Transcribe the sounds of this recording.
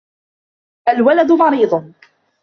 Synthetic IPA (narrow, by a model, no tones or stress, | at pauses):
ʔalwalad̪ʊmɑɾiːd̪ˤ